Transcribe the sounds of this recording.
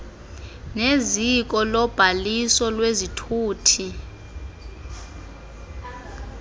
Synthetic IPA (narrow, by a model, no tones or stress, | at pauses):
nezik̬ʼɔlɔb̥ʱalisɔlwezitʰuːtʰi